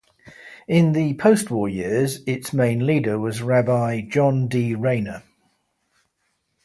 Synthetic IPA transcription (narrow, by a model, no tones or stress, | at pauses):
ɪ̃nðəpʰəʊstwɔːjɪəzɪtsmẽɪ̃nliːdəwɒzɹabaɪd͡ʒɒ̃ndiːɹẽɪ̃nə